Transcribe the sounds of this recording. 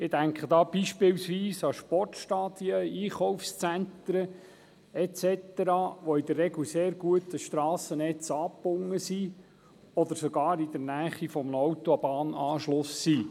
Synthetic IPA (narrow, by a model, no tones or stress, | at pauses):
ɪd̪æŋkχəd̪ɑːb̥iʃpɪlsʋiːsɑʃpɔrtʃtɑːd̪̥iəiːχɔwfst͡sænt̪ɾə | ɛtt͡sɛt̪əɾɑʋɔid̪ərːɛɡluseːɾɡuət̪əʃt̪ɾɑːsənɛt͡sɑːpːʊŋːəsi | ɔd̪əɾsɔɡɑːɾid̥̪əɾnæːχifɔmnowt̪oɑbɑːnɑːʃlʊsːiː